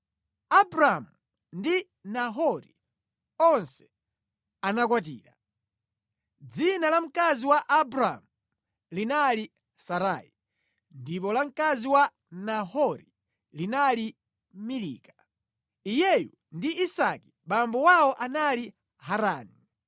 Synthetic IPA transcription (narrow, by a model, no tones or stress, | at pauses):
abɾamu | ndi | naɦɔɾḭ | ɔnsɛ̥ | anakwat̬ḭːɾa̰ | d͡zinalam̩kaziwaʔabɾamu | linali | saɾa̰i | ndip̬ɔlam̩kaziwa | nahɔɾi | linali | milḭːka | ijɛjṵ | ndiisaki̥ɓambɔwawɔʔanali | haɾa̰ːni